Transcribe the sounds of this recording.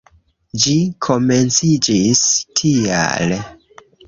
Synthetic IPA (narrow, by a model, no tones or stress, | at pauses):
d͡ʒikʰo̞me̞nt͡sid͡ʒistʰia̰l